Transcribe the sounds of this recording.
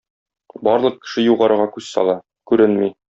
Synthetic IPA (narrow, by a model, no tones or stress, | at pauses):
bɒɾlˠɤ̆q̚kːɘ̥̆ʃɘjuʁɑɾɤ̆ʁɑkʉzsɒ̰lˠɑ | kʉɾɘnmi